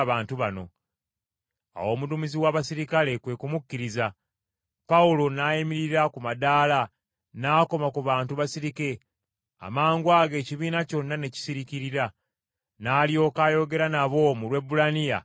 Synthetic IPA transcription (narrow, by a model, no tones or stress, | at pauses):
βaːntuβano̞̰ | a̰wo̞ːmudumiziwaβasiɾikale̞kwe̞kumukːiɾiza | paulo̞naːjimiɾiɾakumadaːla | naːko̞makuβaːntuβasiɾike̞ | a̰maːŋɡwaːɡe̞ːciβiːnaco̞nːane̞ci̥siɾiciɾiɾa | naːlijo̞ːkaːjo̞ɡe̞ɾanaβo̞mulwe̞bulanija̰